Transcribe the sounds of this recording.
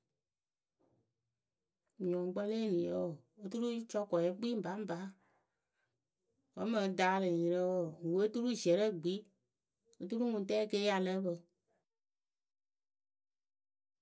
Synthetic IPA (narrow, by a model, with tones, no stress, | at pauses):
mĩ˨ɔ̃˨ŋ˨k͡pə˦le˦˨nĩ˨o˦˨o˦tu˦ɾu˦t͡ʃɔ˦kɔ˨je˦k͡pi˦m̩˨ba˨˦m̩˦ba˨˦ | wə˦mə̃˨˦da˨˦lə˨ɲi˨ɾə˨wo˨wo˨˦tu˦ɾu˦zɛ˨ɾə˦ɡ͡bi˨˦ | o˦tu˦ɾu˦mũ˨tɛ˦ke˦a˨lə˦bə˧